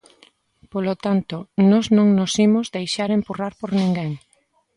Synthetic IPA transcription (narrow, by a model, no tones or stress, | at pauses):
polot̪ant̪onɔznõŋnosimʊzðejʃaɾempuraɾpoɾnĩŋɡeŋ